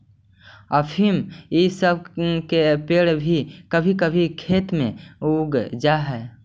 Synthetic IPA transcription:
əpʰimisəbʱkepeːɽbʱikəbʱikəbʱikʰeːt̪mẽuːɡd͡ʒaɦɛː

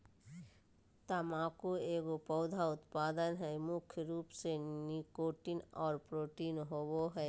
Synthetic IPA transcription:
t̪amãkoeːɡopɔʊd̪ʱaʊt̪paːd̪ənɦɛmʊkʰjəɾuːpsenikoʈiːnɔːɾpɾoːʈiːnɦoboɦɛ

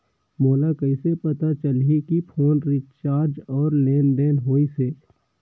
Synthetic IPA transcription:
moːlakəɪsepət̪at͡ʃəlikipʰoːnɾɪt͡ʃaːɾd͡ʒɔːɾleːnɖeːnɦoːiseː

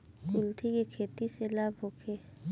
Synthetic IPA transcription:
kulʈ̪ʰikekʰeːt̪iselabʱokʰe

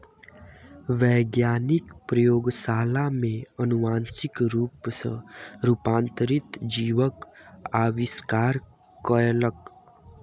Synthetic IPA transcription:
ʋɛːɡjaːnɪkpɾəjoːɡsaːlamẽənumaːnsɪkɾuːpsə̰̃ɾuːpãːnt̪əɾit̪d͡ʒiːʋəkaːʋɪskaːɾ | kəɾelək

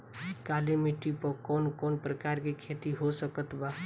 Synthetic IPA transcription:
kalemiʈipəkɔnkɔnpɾəkaɾkekʰet̪iɦosəkət̪ba

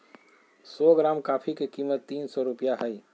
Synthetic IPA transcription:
sɔːɡɾaːmkaːpʰikekiːmət̪ːiːnsɔɾʊpjaɦəi

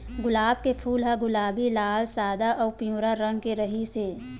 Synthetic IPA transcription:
ɡʊlaːb̚kepʰuːlɦaɡʊlaːbilaːlsaːd̪aʔɔːpijũːɾaɾə̃ŋɡkeɾəɦiseː

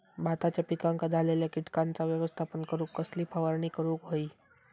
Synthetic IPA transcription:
bʱat̪at͡ɕjapikãŋkad͡zʱaleljakiʈkant͡saʋjəʋəst̪ʰapəɳkəɾuːkːəsliːpʰaʋəɾɳikəɾuːkɦoiː

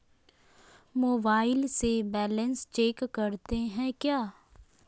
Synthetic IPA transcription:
moːbaːɪlsebɛːlə̃nst͡ʃeːkːɐɾt̪eɦɛ̃kjaː

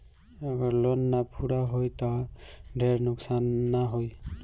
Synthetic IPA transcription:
ʌɡʌɾlonːapʰuɽaɦojt̪ʌɖʱeɾnʊksanːaɦoj

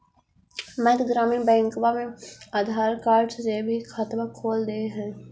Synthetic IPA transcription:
mɛ̃d̪ɡɾaːminbɛ̃ːŋkbamẽaːd̪ʱaːɾkaːɾɖssebʱixʰət̪bakʰoːld̪eɦɛ̃ː

